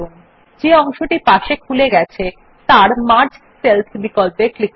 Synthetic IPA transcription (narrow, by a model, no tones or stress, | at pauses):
oŋ | d͡ʑeɔŋʃoʈipaʃekʰuleɡɛt͡ɕʰe | t̪aɾmaɾd͡ʑ | selt̪ʰbikolpeklik̚